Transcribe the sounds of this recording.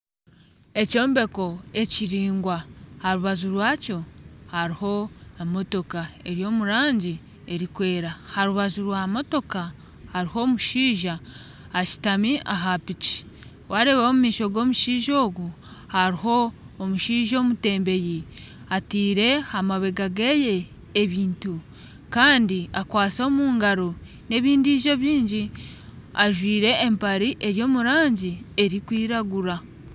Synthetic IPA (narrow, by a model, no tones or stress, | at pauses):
e̞co̞ːmbe̞ko̞e̞ciɾiːŋɡwahaɾuβazuɾwaːco̞haɾiho̞emo̞to̞kae̞ɾjo̞ːmuɾaːɲɟi | e̞ɾikwe̞ːɾahaɾuβazuɾwaːmo̞to̞ka | haɾiho̞ːmuʃiːʒaː | ci̥tamiʔaɦapici̥ | waɾe̞βaomumiːʃo̞ɡo̞ːmuʃiːʒo̞ːɡu | haɾiɦo̞ː | muʃiːʒo̞ːmute̞ːmbe̞ji | atiːɾe̞amaβe̞ɡaɡeje̞ː | βiːntu | kaːndiakwaːt͡so̞muːŋɡaɾo̞ | ne̞βiːndiʒo̞βjiːɲɟi | aʒwiːɾe̞ːmpaɾiʔe̞ɾjo̞ːmuɾaːɲɟie̞ɾikwiːɾaɡuɾa